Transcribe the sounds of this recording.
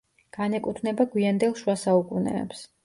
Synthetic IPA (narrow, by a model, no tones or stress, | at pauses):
ɡ̥anɛkʼut̪ʰnɛbaɡwiand̪ɛlˠʃuwasaukʼunɛ̰ːps